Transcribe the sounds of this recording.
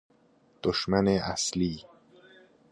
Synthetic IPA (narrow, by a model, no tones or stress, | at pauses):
d̪̥oʃmæneʔæsliː